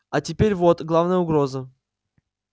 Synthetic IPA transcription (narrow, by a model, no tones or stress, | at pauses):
atʲɪpʲeɾʲvot̪ɡlˠavnəjəʊɡɾozə